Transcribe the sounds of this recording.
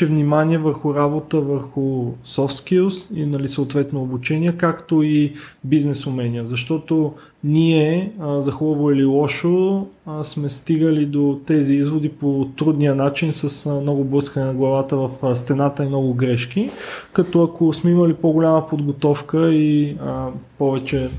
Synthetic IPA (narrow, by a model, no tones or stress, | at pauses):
ɛvnimaniɛvəɾxʊɾabot̪əvəɾxʊsɔft̪kilˠsḭnɐlisəot̪vɛt̪noːbut͡ʃɛnʲiɛkakt̪oibiznɛsʊmɛnijəzɐʃt̪ɔt̪o | niɛzɐxubəvoililˠɔʃo | smɛst̪iɡəlid̪ot̪ɛziizvod̪ipot̪ɾud̪nijənat͡ʃinsəsmnɔɡʊbləskənɛnɐɡlˠɐvat̪əvɐfst̪ɛnat̪əimnɔɡʊɡɾɛʃk̟ikɐt̪ɔɐkosmɛiməlipoɡolʲaməpod̪ɡot̪ɔfkəiəpɔvɛt͡ʃɛ